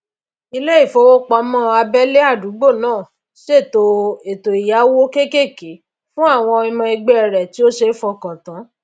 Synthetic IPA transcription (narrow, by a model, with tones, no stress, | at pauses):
i˧le˦i˦˨fo˨˧˦wo˦k͡pɔ˧˦mɔ̃˦a˧bɛ˦le˦a˦˨du˨˦ɡ͡bo˦˨nãː˦˨ | ʃe˦˨to˧˦e˨to˨i˨ja˨˦wo˦ke˦ke˦˨ke˨˦ | fũ˦a˦˨w̃ɔ̃˧i˧mɔ̃˧i˧ɡ͡bɛ˦ɛ˨ɾɛ˨ti˨˦o˦ʃe˧˦fɔ˧kã˨tã˨˦